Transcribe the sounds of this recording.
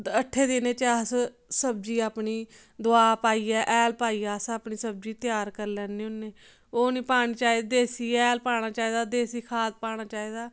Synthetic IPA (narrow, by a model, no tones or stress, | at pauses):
əʈʰːeːd̪ɪnẽːt͡ʃaːs | səb̚d͡ʒiːaːpɳiː | d̪ʊaːpaːiːɛːʔːlpaːiːaːsaːpɳiːsəb̚d͡ʒiːt̪ɪjaːɾkəɾlɛːnːiːʊnːeː | oːnĩːpaːɽ̃iːt͡ʃaːiːd̪d̪eːsiːɛːlpaːɽ̃aːt͡ʃaːiːd̪aːd̪eːsiːkʰaːt̪̚paːñaːt͡ʃaːiːd̪aː